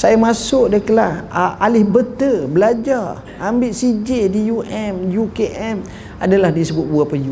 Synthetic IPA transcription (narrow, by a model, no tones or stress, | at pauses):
sajamasʊʔdəkəlahʔalɪhbət̪əbəlad͡ʒar | ambɪʔsid͡ʒɪdijuʔɛmjukeʔɛm | adalahdisəbʊt̪̚buapəju